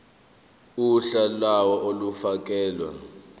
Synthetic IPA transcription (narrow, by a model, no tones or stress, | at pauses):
uɬalawɔʔolufak̬ʼɛːlwa̰